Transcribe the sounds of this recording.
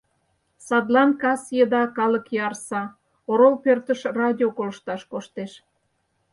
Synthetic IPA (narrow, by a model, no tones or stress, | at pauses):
sɑd̪lɑnkɑsjəd̪ɑkɑləkjɑrsɑ | oɾolpørt̪əʃrɑdʲiokoləʃt̪ɑʃkoʃt̪eʃ